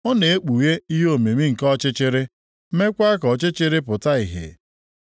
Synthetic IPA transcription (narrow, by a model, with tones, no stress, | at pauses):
ɔ˦ne˨e˦k͡pu˨je˦i˦ɦo˨me˨mi˦ŋ̩˨kɔ˦t͡ʃɪ˦t͡ʃɪ˦ɾɪ˦ | me˦kʷa˦kɔ˨t͡ʃɪ˦t͡ʃɪ˦ɾɪ˦p̬ʊ˨ta˦i˨ɦɪ̰˨